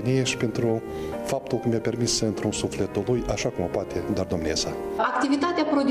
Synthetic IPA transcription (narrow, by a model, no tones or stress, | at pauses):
nʲejeʃpʲent̪ɾʊ | fap̚t̪ʊlˠkumʲapʲerʲmʲisɨnt̪ɾunsuflʲet̪ʊlˠujɐʃakumɐpat̪ʲed̪ard̪omnʲesaakt̪ʲivʲit̪at̪ʲeapɾod̪ʲ